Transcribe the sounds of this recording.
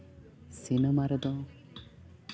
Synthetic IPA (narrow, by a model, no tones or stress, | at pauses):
sinemaɾɔd̪ɔ